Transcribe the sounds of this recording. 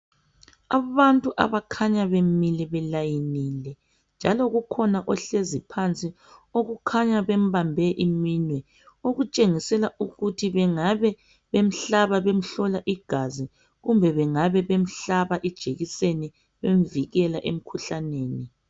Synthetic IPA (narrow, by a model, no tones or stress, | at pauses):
aβantʼuʔa̰βakʰaɲaβemilɛβɛlajinilɛ | nd͡ʒʱalɔɣukʰɔnaʔɔɬezipʰant͡sʼi | oɣukʰaɲaβem̩bambʱɛʔiminwɛ | oɣut͡ʃʼeŋisɛlaʔuɣutʰiβɛŋaβɛ | βem̩ɬaβaβem̩ɬɔlaʔiɡ̥ʱazi | ɣumbʱɛβɛŋaβɛβem̩ɬaβaʔid̥ʒ̥ʱeɣiseni | βemviɣɛla̰ʔem̩kʰuɬaneːni